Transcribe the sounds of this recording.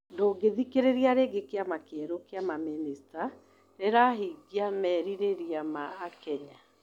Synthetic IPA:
ndoːɡeðikeɾeɾiaɾeɡekeamakɛɾokeamaminista | ɾeɾaɦiɡiamɛːɾiɾeɾiamaːkɛɲa

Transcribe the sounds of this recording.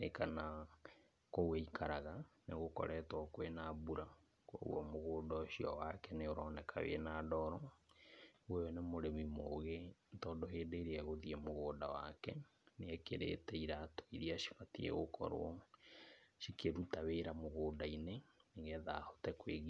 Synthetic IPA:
nḛkana | koɣweikʰaɾaɣaneɣokɔ̰ɾɛtwɔkwenabuɾa | kwo̰ɣw̰ɔmoɣoːdɔʃiɔwakɛneoɾɔːnɛkʰa̰wḛnaːdɔɾɔ | ojɔnemoɾemimoɣetɔdoɦeːdeɾeɛɣoðiɛmoɣoːdawa̰kɛ | neɛkeɾḛtɛiɾato̥iɾiaʃi̥fatiɛ̰ɣokʰɔ̰ɾo̰ɔ | ʃikʰeɾutaweɾamoɣoːdaineneɣɛða̰ːhotɛkweɣi

